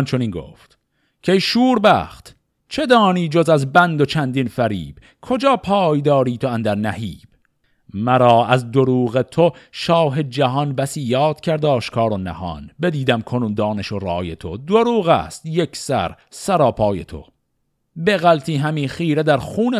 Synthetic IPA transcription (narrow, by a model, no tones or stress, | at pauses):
nt͡ʃʰo̞niːnɡo̰ːft̪ | cʲʰejʃuːɾbæ̰ːχt̪ | t͡ʃʰe̞d̪ɒːniːd͡ʒozæzbænd̪o̞t͡ʃʰænd̪infæɾḭːb̥ | kʰo̞d͡ʒɒːpʰɒːjd̪ɒːɾiːt̪ʰoænd̪æɾnæhiːb̥ | mæɾɒːʔæzd̪oɾuːɣe̞t̪ʰoʃɒːɦe̞d͡ʒæɦɒnbæsiːjɒːd̪̥̚cʰʲæɾd̪ɒːʃkʰɒːɾonæ̰hɒ̰nbe̞d̪iːd̪æmkʰonuːnd̪ɒːneʃorɒːje̞t̪ʰo̞̰d̪oɾuːɣæ̰st̪jekʰsæ̰ɾ | sæɾɒːpʰɒːje̞̰t̪ʰo̞̰ | be̞ɣælt̪ʰiːɦæmiːχiːɾed̪æɾχuːne